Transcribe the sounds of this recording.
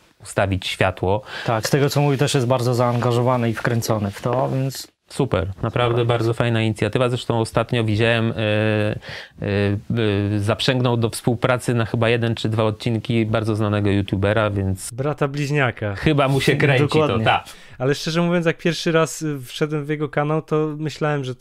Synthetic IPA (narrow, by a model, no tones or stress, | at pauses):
ust̪avʲit͡ɕɕfʲjat̪wɔt̪akst̪ɛɡɔt̪sɔmuvʲit̪ɛʂjɛst̪̚baɾd̪zɔzaːŋɡaʐɔvanɛifkɾɛnt̪sɔnɘft̪ɔvʲjɛnt̪s | supɛ̰ɾnapɾavd̪ɛbaɾzɔfajnaiɲit̪sʲjat̪ɘvazɾɛʂt̪ɔ̃w̃ɔst̪at̪ɲɔvʲid͡ʑawɛm | zapʂɛŋɡnɔwd̪ɔfspuwpɾat̪sɘnaxɘbajɛd̪ɛnt͡ʂɘd̪vaɔt̪̚t͡ɕinkʲibaɾd̪ɔznanɛɡɔjut̪ʲjubɛɾavʲjɛnt̪sbɾat̪ablʲiʑɲakaxɘbamuɕɛkɾɛɲd̪ɔt͡ɕkwadt̪ɲak | alɛʂt͡ʂɛʐɛmuvʲjɔnsjak̚pʲjɛɾfʂɘɾasfʂɛd̪wɛmvʲjɛɡɔkanawt̪ɔmɘɕlawɛmʐɛ